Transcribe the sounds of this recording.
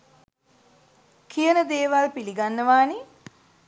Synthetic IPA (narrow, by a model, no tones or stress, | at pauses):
kʰijənəd̪eːʋalpiliɡanːəʋaːni